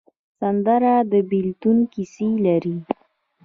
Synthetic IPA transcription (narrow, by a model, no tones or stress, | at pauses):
sand̪aɾad̪əbilt̪unkiselaɾi